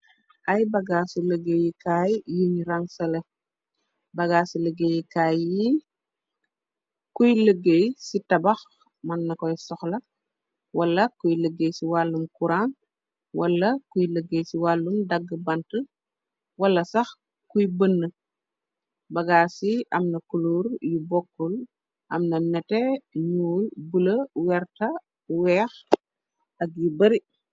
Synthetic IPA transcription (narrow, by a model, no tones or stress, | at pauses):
ʔɐjbɐɡaːsuləɡejikaːjjuɲɾaŋsɐlɛ | bɐɡaːsiləɡejikaːjji | kujləɡːejsitɐbɐx | mɐnːɐkɔjsɔxlɐ | wɐlːɐkujləɡːejsiwalːumkuɾan | wɐlːɐkujləɡːejsiwalːumdɐɡːəbɐntə | wɐlːɐsɐx | kujbənːə | bɐɡaːsiʔɐmnɐkuluːɾjubɔkːul | ʔɐmnɐnɛtɛɲuːlbuləwɛɾtɐ | wɛːx | ɐk̚jubɐɾi